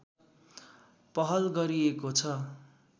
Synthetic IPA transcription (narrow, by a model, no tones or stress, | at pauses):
pʌɦʌlɡʌɾiekot͡sʰʌ